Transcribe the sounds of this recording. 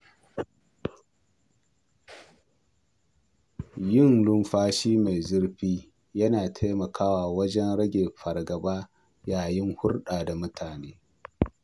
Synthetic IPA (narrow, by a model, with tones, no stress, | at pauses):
jɪ˦˨nlʊ˦mɸaː˦ʃiː˦ma˨jzʊ˦ɽɸiː˦ | jɐ˦naː˨tʰa˦jmɐ˨kʰaː˦waː˨wɐ˦d͡ʒɛ˦nɾɐ˦ɡʲeː˨ɸɐ˨rɡɐ˨baː˦ | jaː˨jɪ˦ŋhʊ˦rɗaː˨da˨mʊ˦tʰaː˨neː˦